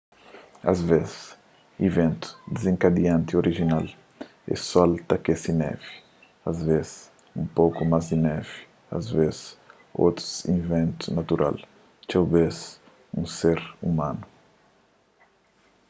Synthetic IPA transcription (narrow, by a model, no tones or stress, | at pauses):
a̰zvezs | ivẽnt̪u̥d̪ezĩŋkad̪iãnt̪ioɾiʒinal | ɛ̰sɔlt̪ɐkesinɛ̰vi̥ | azvezs | ũmpowkumazd̪inɛvi̥ | a̰zvezɪs | o̰t̪ɾu̥zĩvẽnt̪u̥nat̪uɾʔa̰l | t͡ʃawbez | ṵ̃seɾumãnu